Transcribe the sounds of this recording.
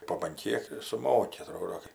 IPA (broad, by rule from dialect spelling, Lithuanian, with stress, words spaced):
poː bɐn ˈkʲiɛk sʊˈmoːkʲɪ ɐˈtroːdoː kɐɪ